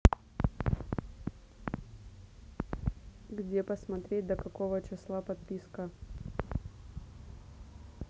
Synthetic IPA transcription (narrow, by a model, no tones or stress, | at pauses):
ɡdʲepəsmɐt̪ɾʲet̚ʲd̪əkɐko̞vət͡ɕɪslˠapɐt̪̚pʲiskə